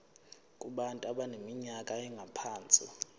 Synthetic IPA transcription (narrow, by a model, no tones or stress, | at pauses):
kʼuɓantʼuaɓanemiɲakʼaɛŋɡʱapʰaːnt͡sʼi